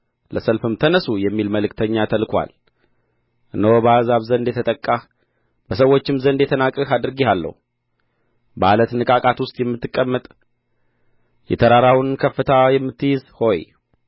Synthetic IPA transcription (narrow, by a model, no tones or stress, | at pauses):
ləsəlfɨmt̪ʰənəsujɛmːilməlɨkt̪ʰəɲːat̪ʰəlkʰwa̰l | ɨnəwobəazaβzənd̪jɛt̪ʰət̪ʼəkʼːa | bəsəwːo̞t͡ʃːɪmzənd̪ɛt̪ʰənakʼːəhad̪ɨɾɨɡihalːə̰hu | ba̰lət̪nɨkʼakʼat̪wʊst̪ʼjɛmːɨt̪ːɨkʼːəmːət̪ʼ | jɛ̰t̪ʰəɾaɾawnkʰəfːɨt̪ʰajɛmːɨt̪ːɨjɪzho̞j